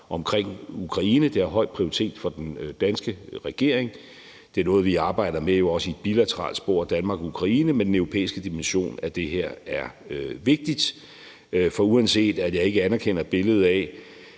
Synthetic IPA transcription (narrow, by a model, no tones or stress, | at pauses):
ɒ̽mkʰʁeŋ̰ukʰʁɑ̈iːnəd̥e̝æɐɦɒ̽ɪd̥̚pʰʁioʁit͡sʰe̝̰ːd̥fɒ̽d̥end̥ænsɡ̥əʁɛɡ̥e̝ɐ̰eŋ | dd̥e̝ɐnɔ̽ːð̞̩ˠʋiɑ̈ːb̥ɑ̈ɪ̰d̥ɐmejo̝ɒ̽səied̥b̥ilæt͡sʰəʁɑ̰̈ːld̥sb̥o̝̰ɐ̰d̥ænmɑ̈ːɡ̥ukʰʁɑ̈iːnəmend̥enøʊʁo̝pʰḛːisɡ̥əd̥imenɕo̝̰ːnæd̥e̝ɦeɐ̰æɐʋe̝ɡ̥̚d̥id̥ | fɒ̽uænse̝̰ːd̥æjɑ̈e̝ɡ̥əænɐkʰen̰ɐb̥e̝ləð̞̩ˠɛ